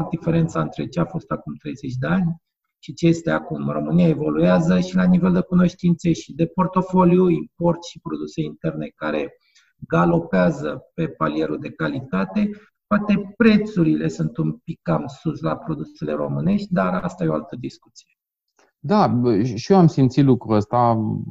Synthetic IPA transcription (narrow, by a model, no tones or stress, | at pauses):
art̪̚d̪ife̞ɾe̞nt̪saɨnt̪ɾe̞t͡ʃeafo̞st̪akumt̪ɾe̞jze̞t͡ʃʲd̪eanʲ | ʃit͡ʃejest̪eakumro̞mɨnijaevo̞lueazəʃilanive̞ld̪e̞kuno̞ʃt̪int̪se̞ʃid̪e̞po̞rt̪o̞fo̞ljuimpo̞rt̪ʃipɾo̞d̪use̞int̪e̞rne̞kaɾe̞ | ɡalo̞peazəpe̞palie̞ɾuld̪e̞kalit̪at̪e̞ | poat̪e̞pɾe̞t̪suɾile̞sunt̪unpikkːamsuslapɾo̞d̪usele̞ɾo̞̰mɨne̞ʃt̪̚ʲd̪aɾast̪ajeoa̰lt̪əd̪iskut̪sije̞ | d̪aʃioamsimt̪sit̪lukɾuəst̪a